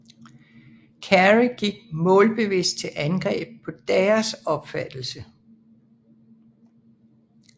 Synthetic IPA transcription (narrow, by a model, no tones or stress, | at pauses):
kʰæʁiɡ̥iɡ̥̚mɔ̽ːlb̥e̝ʋesd̥̚t͡sʰe̝ʔænɡ̥ʁɛ̰ːb̥̚pʰɒ̽d̥ɛːɐsɒ̽b̥fæd̥l̩sə